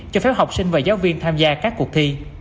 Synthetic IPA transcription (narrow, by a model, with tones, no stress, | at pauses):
t͡ɕɔ˧fɛ˨˦˥wɦa˨˩wk͡p̚sï˧ŋ̟veː˨˩zaː˨˦wvi˧ənt̪ʰaː˧mzaː˧kaː˦˥kːu˨˩k̚t̪ʰi˧